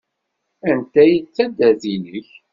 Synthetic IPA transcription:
ænt̪æjit͡sːæd̪æðiləç

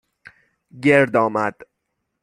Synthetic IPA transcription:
ɟeɾd̪ɒːmæd̪̥

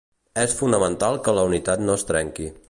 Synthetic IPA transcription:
ɛsfunəmənt̪alˠkələunit̪at̪noəst̪ɾɛŋki

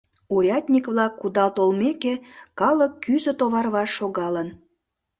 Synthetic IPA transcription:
uɾʲɑt̪ʲnʲikβlɑkːud̪ɑlt̪olmekekɑləkːyzə̆t̪oβɑrβɑʃːoɣɑlən

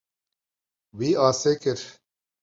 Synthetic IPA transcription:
wiːaːseːkɪɾ

